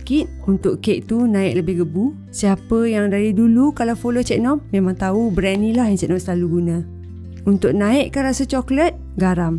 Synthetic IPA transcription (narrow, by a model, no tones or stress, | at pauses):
kit̪̚unt̪ʊʔkeʔ̚t̪unãɪʔ̚ləbɪhɡəbu | siapəjaŋdaɾidulukalawfolot͡ʃɛʔ̚nɔmːemaŋt̪aubɾɛnĩlahaŋsɛʔ̚nɔmsəlaluɡuna | unt̪ʊʔ̚naɪʔkəɾasət͡ʃɔklət̪̚ | ɡaɾam